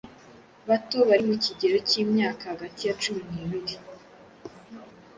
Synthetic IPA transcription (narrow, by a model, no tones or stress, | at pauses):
βato̞βaɾimuciɟe̞ɾociːmɲaːkahaɡatijat͡ʃuminiβiɾi